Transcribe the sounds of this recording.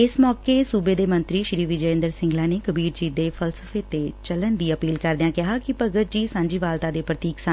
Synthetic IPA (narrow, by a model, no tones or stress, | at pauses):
ɪsmɔːkeːsuːbeːd̪eːmə̃nt̪ɾiːʃɾiːʋɪd͡ʒəẽːnd̪əɾsɪ̃ŋɡlãːneːkəbiːɾd͡ʒiːd̪eːpʰəlsəfʰeːt̪eːt͡ʃələnd̪iːəpiːlkəɾd̪ejãːkɪɦaːkɪpəɡət̪̚d͡ʒiːsãːɲd͡ʒiːʋaːlt̪aːd̪eːpɾət̪iːksa